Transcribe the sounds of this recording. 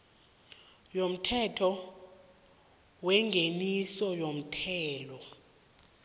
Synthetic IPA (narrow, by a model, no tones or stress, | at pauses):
jom̩tʰɛtʰɔ | wɛŋɡʱenisɔjom̩tʰɛːlɔ